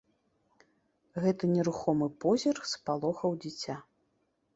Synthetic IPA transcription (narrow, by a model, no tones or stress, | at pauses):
ɣɛt̪ɨnʲɛɾuxɔmɨpɔzʲɛrxspalˠɔxɐwd͡zʲit͡sʲa